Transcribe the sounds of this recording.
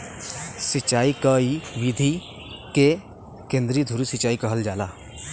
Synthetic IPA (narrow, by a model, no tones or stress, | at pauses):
sɪt͡ʃːaːikaiʋid̪ʱi | ke | kẽːnd̪ɾid̪ʱuɾisɪt͡ʃaːikɐɦəld͡ʒaːlaː